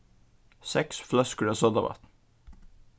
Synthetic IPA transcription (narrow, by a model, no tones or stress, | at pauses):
sɛksflœskəɖəsɔd̪ɑ̰ʋɑ̰t̪n̩